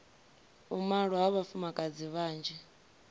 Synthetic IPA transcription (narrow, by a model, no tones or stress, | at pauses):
umaɺɔɦaβafumakʼad͡ziβaːnd͡ʒɛ